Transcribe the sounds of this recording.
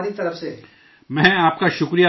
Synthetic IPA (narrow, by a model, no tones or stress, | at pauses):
ɾit̪ɐɾəfse | mɛ̃ːaːp̚kaʃʊkɾija